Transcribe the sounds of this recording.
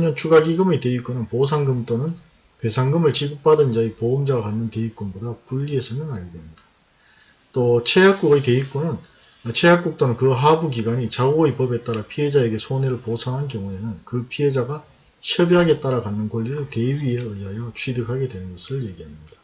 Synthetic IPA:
ɲʌnt͡ɕʰuɡaɡiɡɯmɯte̞ik͈onɯnpos̬ʰaŋɡɯmt͈onɯn | pe̞sʰaŋɡɯmɯɭt͡ɕiɡɯk̚p͈adɯnd͡ʑaepoɯmd͡ʑaɡakanːɯnte̞ik͈onbodapuʎːie̞sʰʌnɯnaɭɡemɲidḁ | t͈ot͡ɕʰe̞ɦak̚k͈uɡɯjte̞ik͈onɯn | t͡ɕʰe̞jak͈uk̚t͈onɯnkɯɦabuɡiɡaɲit͡ɕaɡoɯipʌbe̞t͈aɾapʰie̞d͡ʑae̞ɡe̞sʰone̞ɾɯɭposʰaŋɦankjʌŋuenɯnkɯpʰiɦe̞d͡ʑaɡa | ɕʌbiɦaɡe̞t͈aɾakanːɯnkoʎːiɾɯɭte̞ɥieɯiɦajʌt͡ɕʰwɥidɯkɦaɡe̞dwe̞nɯnɡʌsʰɯɭje̞ɡiɦamɲida

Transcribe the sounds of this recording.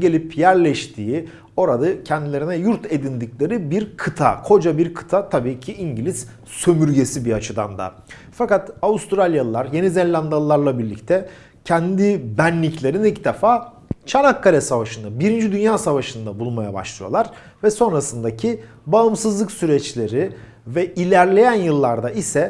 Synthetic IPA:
ɟe̞lʲipjæɾlʲɛʃt̪ʰiːi | o̞ɾad̪acʰɛnd̪ilʲe̞ɾinɛjuɾt̪ʰe̞d̪ind̪iclʲe̞ɾibiɾkʰɯt̪ʰa̰kʰo̞d͡ʒabiɾkʰɯ̥t̪ʰat̪ʰabiːcʰiiɲɟilʲiz̥ | sø̞myɾɟe̞sibiat͡ʃʰɯd̪a̰nd̪a̰ | fakat̪aust̪ɾalʲjalˠɯlˠaɾje̞nizɛnlʲand̪alˠɯlˠaɾlˠabiɾlʲḭc̚t̪ʰɛ | cʰɛnd̪ibænːʲiclʲe̞ɾinilcd̪ɛfaː | t͡ʃʰanakːaɾʲɛsavaʃɯnabiɾind͡ʒid̪ynjaːsavaʃɯnd̪abulˠmajaba̰ʃlˠɯjo̞lˠaɾ̥ | vɛso̞nɾasɯnd̪acʰi | baɯmsɯzlˠɯksyɾɛt͡ʃlʲe̞ɾi | vɛilʲæɾlʲe̞jænjɯlˠːaɾd̪aisɛ

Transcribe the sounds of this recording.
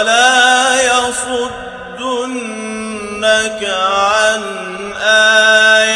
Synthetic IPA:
laːjafʊd̪ː | ʊnː | akaʕan | ʔaːj

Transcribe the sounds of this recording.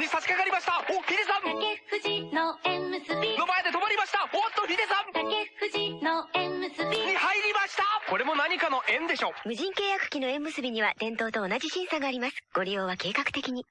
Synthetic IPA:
ɲisat͡ɕi̥kaɡaɾʲimaɕi̥t̪aoɸʲid̪ezãmakeɸɯ̟ʑinoẽmːɯ̟sɨbʲino̞maed̪e̞t̪o̞maɾʲimaɕi̥t̪aot̪ːoçʲid̪ezãmt̪akeɸɯ̟ʑinoẽmːɯsɨbʲiɲihaiɾʲimaɕi̥t̪ako̞ɾe̞mo̞naɲ̟ikano̞ʔẽ̞nd̪e̞ɕo̞ːmɯ̟ʑĩŋke̞ːjakɯ̟̥kʲino̞ẽ̞mːɯ̟sɨbʲiɲ̟iβad̪̥ẽ̞nt̪oːt̪o̞ːnaʑiɕĩɰ̃saɡaːɾʲimasɨ̥ɡ̥o̞ɾʲijo̞ːβake̞ːkakɯ̟t̪e̞kʲiɲ̟i

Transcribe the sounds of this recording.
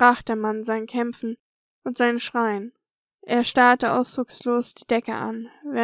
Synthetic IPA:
b̥ʁaːχd̥eːɐmanzaɪnkʰɛmfn̩ | ʔʊntz̥aɪnənʃʁ̥aɪən | ʔeːɐʃtaɐtəʔa̰ʊsd̥ʁʊksloːsd̥iːdɛkə̰ʔa̰nvɛ

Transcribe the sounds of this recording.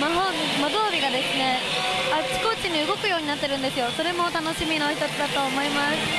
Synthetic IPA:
maɦomad̪o̞ːbʲiɡad̪e̞sɨne̞asi̥ko̞t͡ɕiɲ̟iɯ̟ɡo̞kɯ̟joːɲ̟inat̪ːe̞ɾɯ̟̃nd̪e̞sɨjo̞so̞ɾe̞mo̞t̪ano̞ɕimʲino̞ɕit̪ot͡sɨd̪at̪o̞ːmo̞imasɨ̥

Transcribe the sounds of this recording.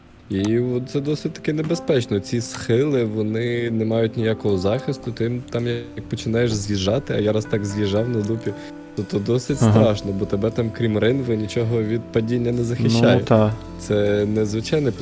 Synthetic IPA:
iɔt̪̚t̪sɛd̪ɔsɪtʲt̪ɐ̥kɛnebespɛt͡ʃnɔt͡sʲisxɪlˠɪʋɔnɪnɛmɑjʊtʲnʲijakɔɦɔzɑxʲist̪ʊt̪ɔjimt̪ɑmjɐk̚pɔt͡ʃɪnɑjeʃzʲʋʲiʒɑt̪ɪɐjɑɾɐst̪ɑɡzʲʋʲiʒɑwnɐd̪upʲi | t̪ɔt̪ːɔd̪ɔsɪt̪ʲt̪ɾɑʃnɔbɔt̪ebɛt̪ɑmkɾʲimrɪnʋɪnʲit͡ʃɔɦɔʋʲid̪̚pɐdʲinʲːɐnɛzɐxɪʃt͡ʃajjʊ | t̪sɛnɛzʋɪt͡ʃɑjnɛ

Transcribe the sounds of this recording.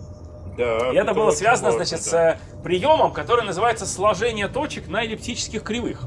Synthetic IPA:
d̪aɪɛt̪əbɨlˠəsvʲazənəzat͡ɕɪt̪sə | pɾʲɪjo̞məmkɐt̪o̞ɾəjənəzɨvajɪt̪səslˠɐʐɛnʲɪjət̪o̞t͡ɕɪknəɪlʲɪp̚tʲit͡ɕɪ̥skʲɪxkɾʲɪvɨx

